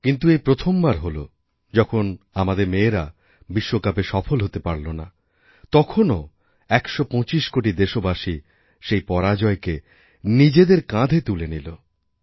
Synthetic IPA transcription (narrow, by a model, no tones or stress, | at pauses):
kint̪uejpɾot̪ʰombaɾɦolo̰ | d͡ʑɔkʰonamad̪eɾmeːɾa | biʃːokapeʃɔfʰolɦot̪epaɾlona | t̪ɔkʰono | ɛkʃɔpɔ̃t͡ɕiʃkoʈid̪eʃobaʃi | ʃejpɔɾad͡ʑɔeke | nid͡ʑed̪eɾkãd̪ʱet̪ulenilo